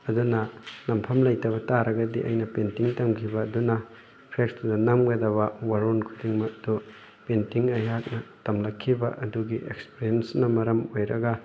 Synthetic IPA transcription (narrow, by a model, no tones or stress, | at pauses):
ɐdunɐnɐmpʰɐmlɐjtɐβɐtaɾɐɡɐdiʔɐ̰jnɐpentiŋtɐmkʰibɐːdunɐ | pʰekstudɐnɐmɡɐdɐβɐwaɾonkʰudiŋmɐdu | pentiŋɐjɦak̚nɐtɐmlɐkʰːibɐʔɐduɡiʔek̚speɾiensnɐmɐɾɐmojɾɐɡɐ